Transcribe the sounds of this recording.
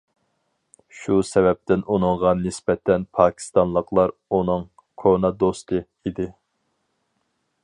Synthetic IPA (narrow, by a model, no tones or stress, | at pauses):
ʃusɛvɛp̚t̪ɪnunɨŋʁɑnɪsbɛt̪ʰɛnpʰɑːkʲʰi̥st̪ɑnlˠəqlˠɑɾunɨŋ | kʰonɑd̪ost̪ʰɨ | id̪ɪ